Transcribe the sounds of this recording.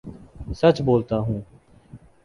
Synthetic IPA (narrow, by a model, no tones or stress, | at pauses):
sət͡ʃboːlt̪aːɦũː